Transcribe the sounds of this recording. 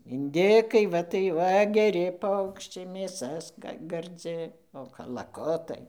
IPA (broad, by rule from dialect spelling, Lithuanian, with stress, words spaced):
ɪnʲˈdʲɪkɐɪ ˈʋɐ tɐɪ ˈʋɐ ɡʲɛˈrʲɪ ˈpɐʊkʃʲt͡ʃʲɛɪ mʲeːˈsɐ skɐ ɡɐrʲˈd͡zʲɪ oː kɐlˠɐˈkʊtɐɪ